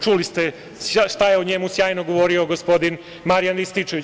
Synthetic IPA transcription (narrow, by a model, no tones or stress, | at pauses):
t͡ʃulist̪e | aʃt̪ajeoɲemusjaːjnoɡoʋo̞ːɾio̞ɡospo̞d̪in | maɾijanʋist̪it͡ʃeʋi